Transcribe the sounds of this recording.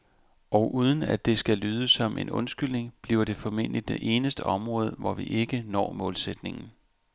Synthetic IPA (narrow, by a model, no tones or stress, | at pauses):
ʔɒ̽ʊʔuːð̞ˠən̩æd̥e̝sɡ̥ælyːð̞ˠəsːɒ̽mʔe̝nɔ̽nsɡ̥yl̰ne̝ŋb̥lḭːʊɐɾ̥e̝fɒ̽me̝n̰lid̚d̥eʔe̝ːnəsd̥əʔɒ̽mʁɔ̽ːð̞ˠʋɒʋiʔe̝ɡ̥ənɒ̰ːmɔ̽ːlsed̥ne̝ŋn̩